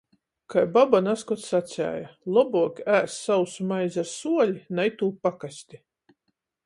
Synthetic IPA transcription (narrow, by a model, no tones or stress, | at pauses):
kajbabanaskɔt̪sat̪sʲæ̰ːjalˠɔbuɔkʲæːsːawsmajzaɾsuɔlʲinajt̪uːpakasʲt̪ʲi